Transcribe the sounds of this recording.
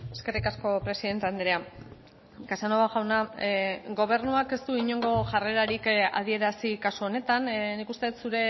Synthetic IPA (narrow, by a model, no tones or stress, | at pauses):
eske̞rikasko̞pɾe̞siðe̞nt̪e̞and̪eɾea | kasanoβaɣawna | ɡo̞β̞e̞ɾnuake̞st̪uiɲo̞ŋɡo̞ʝare̞ɾaɾika̰ð̞ie̞ɾasikasuo̞ne̞t̪annikust̪et̪suɾe̞